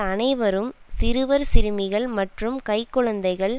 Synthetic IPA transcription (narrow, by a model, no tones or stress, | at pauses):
ɐnɐɪʋɐɾɯmsɪɾɯʋɐɾsɪɾɯmɪɣɐɭmɐʈrɯmkɐɪkːɔɭɐnd̪ɐɪɣɐɭ